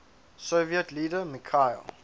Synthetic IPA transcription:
soviətliːdəmikʰaɪ̰l

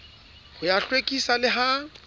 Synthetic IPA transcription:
hʊjaɬwekʼisalɪɦa

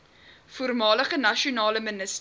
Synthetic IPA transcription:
fuərmɑːləχənɐʃiunɑːləmənəs

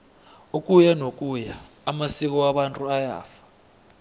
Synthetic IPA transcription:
uk̬ʼujanok̬ʼujaː | masik̬ɔwaɓantʼuaja̰ːfḁ

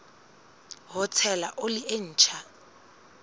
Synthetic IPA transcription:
ɦʊt͡sʰɛlaʔolɪʔen̩ːt͡ʃʰa

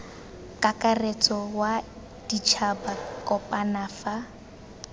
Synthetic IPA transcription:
kʼakʼaret͡sʼɔwa | d̥it͡ʃʰabakʼɔpʼanaːfa

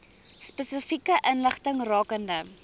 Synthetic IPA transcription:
spəsəfikəʔənləχtəŋrɑːkəndə

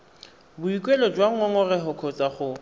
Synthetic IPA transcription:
bʊikʼwelɔd͡ʒwaŋ̩ɔŋɔrɛɦʊkʰɔt͡sʼaχʊ

